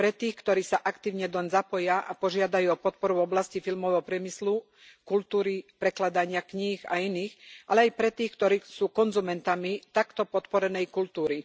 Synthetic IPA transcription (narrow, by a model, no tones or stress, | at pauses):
pɾɛt̪iːxkt̪ɔɾiːsaʔakt̪iːʊɲɛd̪ɔɲzapɔjaʔapɔʒɪad̪ajuːɔpɔt̪̚pɔɾuɔblascifilmɔʋɛɦɔpɾɪɛmislu | kult̪uːɾipɾɛklad̪aɲɪakɲixa̰iniːxʔalɛajpɾɛt̪iːxkt̪ɔɾiːsuːkɔnzumɛnt̪amit̪akt̪ɔpɔt̪pɔɾɛnɛjkult̪uːɾi